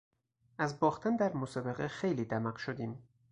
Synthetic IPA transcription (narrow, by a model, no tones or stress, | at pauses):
ʔæzbɒːxt̪ʰænd̪æɾmosɒːbeɣexejliːd̪æmæqʃod̪iːm